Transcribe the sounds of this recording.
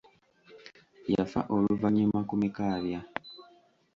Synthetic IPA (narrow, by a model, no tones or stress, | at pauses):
jafa̰ʔo̞luvaɲemakumikaːβja